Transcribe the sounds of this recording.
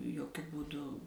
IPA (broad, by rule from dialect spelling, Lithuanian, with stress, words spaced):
joːˈkʲʊ buːˈdʊ